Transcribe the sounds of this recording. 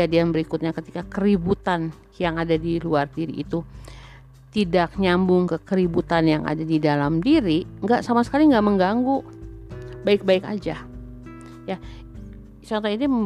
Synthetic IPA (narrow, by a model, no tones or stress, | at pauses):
adianbəɾikut̪̚ɲakət̪ikakəɾibut̪an | jaŋadadiluardiɾiʔːt̪u | t̪idak̚ɲambʊŋkəkəɾibut̪anjaŋʔa̰dadidalamdiɾiŋɡaʔsamasə̥kaliŋɡaʔməŋɡaŋɡu | baɪk̚baɪka̰d͡ʒa | ja | t͡ʃɔnt̪ɔini